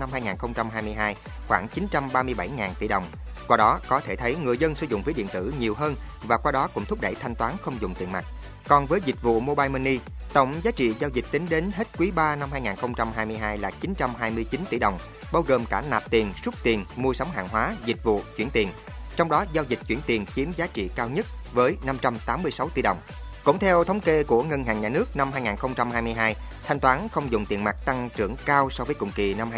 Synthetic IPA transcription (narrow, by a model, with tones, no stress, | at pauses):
na˧mhaː˧jŋaː˨˩nxə˧wŋ͡mt͡ɕa˧mɦaː˧jmɨ˧əjɦaː˧j | xwaː˧˩ŋt͡ɕi˨˦nt͡ɕa˧mɓaː˧mɨ˧əjɓa˧˩jŋaː˨˩nt̪i˧˩ɗə˨˩wŋ͡m | kwaː˧ɗɔ˨˦kɔ˨˦t̪ʰe˧˩t̪ʰə˨˦jŋɨ˨˩əjzə˧nsɨ̰˧˩zʊ̰˧˨ŋ͡mvə˨˦jɗḭ˧˨ənt̪ɨ̰˧˩ɲi˨˩əwɦəː˧n | vaː˨˩kwaː˧ɗɔ˨˦kʊ̰˧˥ŋ͡mt̪ʰʊ˦˥k͡p̚ɗə˧˩jt̪ʰa˧jŋ̟t̪waː˨˦nxə˧wŋ͡mzʊ̰˨˧˩ŋ͡mt̪ḭ˨˩ənma̰˨˩t̚ | kɔ˨˩nvəː˨˦jzi˨˩k̟̚vṵ˧˨mo˧ɓaː˧jmi˧ni˧ | t̪ə̰˧˩wŋ͡mzaː˨˦t͡ɕḭ˧˨zaː˧wzi˨˩k̟̚t̪ï˨˦ŋ̟ɗe˨˦nɦe˦˥t̚kwi˨˦ɓaː˧na˧mhaː˧jŋaː˨˩nxə˧wŋ͡mt͡ɕa˧mhɦaː˧jmɨ˧əjɦaː˧jlaː˨˩t͡ɕi˨˦nt͡ɕa˧mɦaː˧jmɨ˧əjt͡ɕi˨˦nt̪ḭ˧˩ɗə˨˩wŋ͡m | ɓaː˧wɣəː˨˩mkaː˧˩naː˨˩p̚t̪i˨˩ənsu˦˥t̚t̪i˨˩ənmu˧əsa˨˦wŋ͡mɦa̰ː˧˨ŋɦwaː˨˦zi˨˩k̚vṵ˧˨t͡ɕwi˧˩ənt̪i˨˩ən | t͡ɕɔ˧wŋ͡mɗɔ˨˦zaː˧wzï˨˩k̟̚t͡ɕwi˧˩ənt̪i˨˩ənt͡ɕi˨˦əmzaː˨˦t͡ɕḭ˧˨kaː˧wɲə˦˥t̚vəː˨˦jna˧mt͡ɕa˧mt̪aː˨˦mːɨ˧əjsa˨˦wt̪i˧˩ɗə̰˨˩wŋ͡m | kʊ̰˧˩˨ŋ͡mt̪ʰɛ˧wt̪ʰə˨˦wŋ͡mke˧ku˧˩əŋə˧nɦa̰ː˧˩ŋɲaː˨˩nɨ˦˥ək̚na˧mhaː˧jŋaː˨˩nxə˧wŋ͡mt͡ɕa˧mhɦaː˧jmɨ˧jɦaː˧j | t̪ʰjŋ̟t̪waː˨˦nxə˧wŋ͡mzʊ̰˧˨ŋ͡mt̪i˨˩ənma˨˩k̚t̪a˧ŋt͡ɕɨ˧˩əŋkaː˧wsɔ˧vəː˨˦jkʊ̰˧˨˩ŋ͡mki˨˩na˧m˧